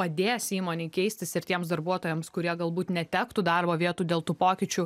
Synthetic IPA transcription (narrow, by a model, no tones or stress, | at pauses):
pɐd̪ʲeːsiːmoːnʲeːkʲɛɪsʲt̪ʲɪsɪɾt̪ʲiɛmsd̪ɐɾbuɔt̪oːjɛmskʊɾʲiɛɡɐlˠbuːt̪nʲɛt̪ʲæːkt̪uːd̪ɑrboːʋʲiɛt̪uːd̪ʲeːlˠt̪uːpoːkʲɪt͡ʃʲu